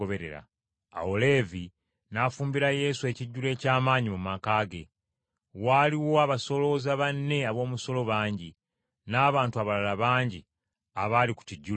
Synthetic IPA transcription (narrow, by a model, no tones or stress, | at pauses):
oβe̞ɾe̞̰ɾa̰ | a̰ole̞vi | nafuːmbiɾaje̞sue̞ːciɟːule̞ːcaːmaːɲimumakaːɡe̞ | waːliwo̞aβaso̞lo̞zaβanːe̞aβo̞ːmuso̞lo̞βaːɲɟi | naːβaːntuaβalalaβaːɲɟi | aβaːliku̥ciɟːu